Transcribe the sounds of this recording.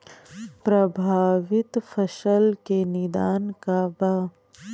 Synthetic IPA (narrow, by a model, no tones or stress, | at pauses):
pɾɐbʱaːʋɪt̪fʰɐʃəlkenɪd̪aːnkabaː